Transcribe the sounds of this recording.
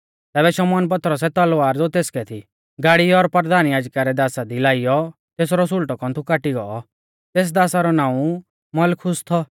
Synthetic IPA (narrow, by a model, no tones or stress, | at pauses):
t̪ɛːbɛʃɔmɔːnp̬ɐt̪ɾɔs̬ɛt̪ɐlʋaːɾd͡zoːt̪eːskɛt̪ʰi | ɡaːɽiɔɾpəɾd̪aːnjaːd͡ʒkaɾɛd̪aːsad̪ilaːɪjɔ | t̪eːs̬ɾɔs̬ʊlʈɔkɔ̃nt̪ʰukaːʈiɡɔɔ | t̪eːs̬d̪aːsaɾɔnãːũ | mɐlkʰʊst̪ʰɔ